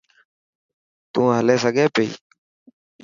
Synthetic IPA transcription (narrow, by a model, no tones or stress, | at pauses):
t̪ũːɦəleːsəɡʱeːpeḭː